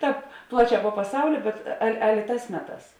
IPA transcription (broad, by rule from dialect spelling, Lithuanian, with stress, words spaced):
ˈtɑːp ˈplˠɑːˌt͡ʃʲɛː poː pɐˈsɐʊlʲɪ bʲɛt ˈɐlʲ ˈɑːlʲeː ˈtɑːs ˈmʲæːˌtɑːs